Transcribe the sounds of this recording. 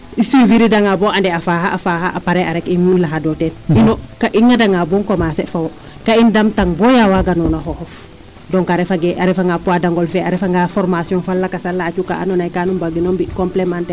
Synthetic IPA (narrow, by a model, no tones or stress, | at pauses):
isiviɾidaŋabɔandɛafaɦaʔafahaʔapaɾɛaɾɛkiŋunlaɦadɔtɛninɔkaʔiŋːadaŋabɔŋkɔmasɛfawɔ | kaindamtaŋbɔjawaɡanɔnaɦɔhɔf | dɔŋkaɾɛfaɡɛʔaɾɛfaŋɡapuadaŋɡɔlfɛaɾɛfaŋɡafɔɾmasijɔ̃ŋfalːakasalːaːt͡ʃuka̰ʔa̰nɔnajkanumbaɡinɔmbikɔmplɛmantɛ